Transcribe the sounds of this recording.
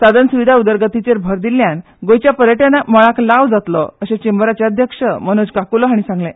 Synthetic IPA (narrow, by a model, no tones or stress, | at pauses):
sad̪ənsuʋid̪ʱaud̪əɾɡət̪it͡seɾbʱəɾd̪ilːjan | ɡojt͡ɕjapəɾjəʈanaməɭaklaʋd͡zat̪lɔ̰əɕẽt͡ɕembəɾat͡ɕaəd̪ʱjəkʂəməñod͡zkakulɔɦaɽ̃isãŋɡlɛ̃